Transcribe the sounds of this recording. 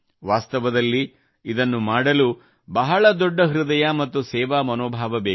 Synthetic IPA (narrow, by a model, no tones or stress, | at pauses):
ʋaːst̪ɐʋɐd̪ɐlːi | id̪ɐnːumaːɽɐlu | bɐɦɐɭɐd̪ɔɖːɐɦɾud̪ɐjɐmɐt̪ːusɛːʋaːmɐnoːbʱaːʋɐbeː